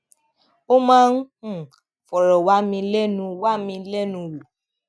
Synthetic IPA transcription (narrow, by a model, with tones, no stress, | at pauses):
o˦mãː˦n̩˦hũ˦˨ | fɔ˨ɾɔ˨wa˨˦mĩ˧lɛ˦nũ˧wa˦˨mĩ˧lɛ˦nũ˧lu˨